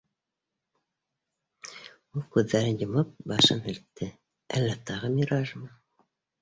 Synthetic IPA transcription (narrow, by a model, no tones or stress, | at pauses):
ulˠkʉðːæɾɘnjɤ̆mɤp̚bɑʃɤnhɘ̆lt̪ːɘ | æ̰lːæt̪ɑʁɤmiɾɑʒmɤ